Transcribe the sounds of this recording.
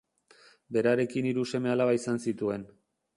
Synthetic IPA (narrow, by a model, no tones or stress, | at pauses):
be̞ɾaɾe̞kiniɾuse̞me̞alaβaisansit̪ue̞n